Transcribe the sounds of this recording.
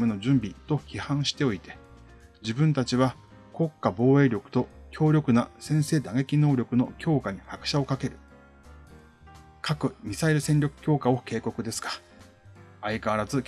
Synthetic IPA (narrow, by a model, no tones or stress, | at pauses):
meno̞d͡ʑɨ̃mbʲit̪o̞çihãɰ̃ɕi̥t̪e̞o̞it̪e̞ | d͡ʑibɯ̟̃nt̪at͡ɕiβa | ko̞kːabo̞ːe̞ːɾʲo̞kɯ̟̥t̪o̞kʲo̞ːɾʲo̞kɯ̟nasẽ̞ɰ̃se̞ːd̪aŋe̞kʲino̞ːɾʲo̞kɯ̟no̞̰kʲo̞ːkaɲ̟ihakɯ̟̥ɕao̞kake̞ɾɯ̟ | kʰakɯ̟mʲisaiɾɯ̟sẽ̞nʲɾʲo̞kɯ̟̥kʲo̞ːkao̞ke̞ːko̞kɯ̟d̪e̞sɨ̥kḁ | aikaɾazɨ